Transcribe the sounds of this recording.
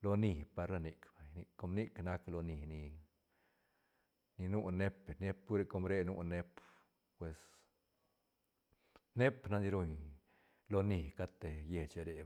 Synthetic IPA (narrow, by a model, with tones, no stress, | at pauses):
lo˧ni˨pa˧ɾla˧ni˧kba˨ɲni˧ko˧˦mni˦kna˦klo˧ni˨ni˧ | ni˧nu˦ne˦pe˨ne˦p̚u˦ɾe˧ko˧mɾe˧nṵ˧ne˦p | pwe˨s | ne˦pna˧d̪i˧ɾo˧ɲ | lo˧ni˨ka˦t̪e˨je˨t͡ʃe˧ɾe˧